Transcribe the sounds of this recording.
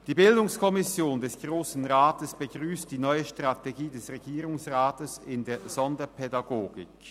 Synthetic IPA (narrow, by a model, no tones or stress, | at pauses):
d̥iːbɪldʊŋskʰɔmɪsjoːndɛsɡ̥ʁoːsn̩ʁaːtəsb̥əɡʁyːst̚d̥iːnɔʏəʃtʁ̥ateɡiːdɛsʁeɡiːʁʊŋsʁaːtəsɪndeːɐz̥ɔndɐpʰɛdaɡoːɡɪk